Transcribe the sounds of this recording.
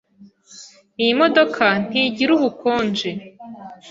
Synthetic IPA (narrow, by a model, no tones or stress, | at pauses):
ijimodo̞kʰan̥iɟiɾuβukʰoːnd͡ʒe